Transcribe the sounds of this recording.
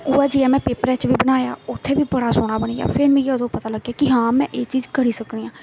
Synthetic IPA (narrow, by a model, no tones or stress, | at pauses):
ʊːaːd͡ʒiaːmɛ̃ːpeːpɾɛːt͡ʃʋiːbənaːja̰ːʊt̪ʰːeːʋiːbəɽaːsoːɽ̃aːbəniːa̰ːpʰɪnmĩːʊd̪õːpət̪aːləɡjaːkɪɦãːmɛ̃ːʔeːt͡ʃiːd͡ʒkəɾiːsəkniːãː